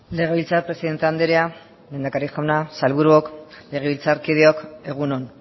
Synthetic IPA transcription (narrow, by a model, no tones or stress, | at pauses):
le̞ɣ̞e̞βilt͡saɾpɾe̞siðe̞nt̪eand̪eɾea | me̞nd̪akaɾixawnasalβuɾuokle̞ɣ̞e̞βilt͡saɾkið̞eo̞ke̞ɣ̞unon